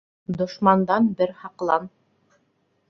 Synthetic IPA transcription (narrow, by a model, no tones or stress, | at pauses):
d̪ŏʃmɑnd̪ɑnbɘɾhɑqlˠɑn